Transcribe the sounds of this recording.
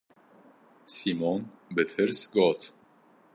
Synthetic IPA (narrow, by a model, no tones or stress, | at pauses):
simɔːn | bɛt̪ʰɛɾsɡɔːt̪ʰ